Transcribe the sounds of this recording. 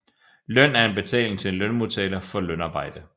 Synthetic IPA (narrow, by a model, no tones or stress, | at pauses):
lœn̰æɐe̝nb̥e̝t͡sʰɛ̰ːlŋ̩t͡sʰe̝enlœnmot͡sʰɛːlɐfɒ̽lœnɑ̈ːb̥ɑ̈ɪ̰d̥ə